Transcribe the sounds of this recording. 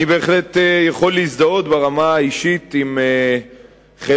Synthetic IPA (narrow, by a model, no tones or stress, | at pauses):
ibe̞ːχle̞t̪ejaχo̞lːisd̪ao̞t̪beʁamaːiʃit̪ime | χe